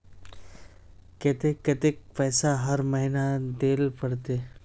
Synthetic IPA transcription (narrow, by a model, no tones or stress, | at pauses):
ket̪eket̪ek̚pɛːsaɦɐɾmɐɦinad̪eːlpɐɽt̪eː